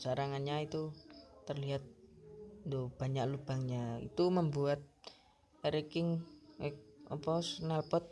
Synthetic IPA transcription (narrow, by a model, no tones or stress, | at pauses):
saɾaŋanɲait̪uːərliɦat̪̚ | ndob̥aɲaklub̥aŋɲaḭt̪uməmbuat̪̚ | ɾekɪŋɛk̚ɔpɔsnalpɔt̪̚